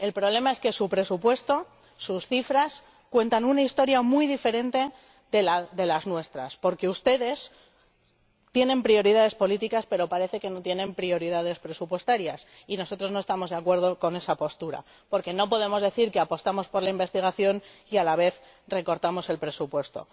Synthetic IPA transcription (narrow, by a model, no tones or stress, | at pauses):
e̞lpɾoβlemae̞ske̞supɾe̞supwe̞st̪o̞ | susθifɾas | kwe̞nt̪anunaist̪o̞ɾjamujðife̞ɾẽ̞nt̪e̞ | ðelaðe̞laznwe̞st̪ɾaspo̞ɾke̞ust̪e̞ðe̞s | t̪je̞nẽ̞mpɾio̞ɾiðaðe̞spo̞lit̪̬ikaspe̞ɾo̞paɾe̞θe̞ke̞no̞t̪je̞nẽ̞mpɾio̞ɾiðað̞e̞spɾe̞supwe̞st̪aɾjas | ino̞so̞t̪ɾo̞zno̞e̞st̪amo̞zðeakwe̞ɾð̞o̞ko̞ne̞sapo̞st̪uɾa̰ | po̞ɾke̞no̞po̞ð̞e̞mo̞zðe̞θiɾke̞apo̞st̪amo̞spo̞ɾlaimbe̞st̪iɣ̞aθjo̞nialaβ̞e̞θ | re̞ko̞ɾt̪amo̞se̞lpɾe̞supwe̞st̪o̞̰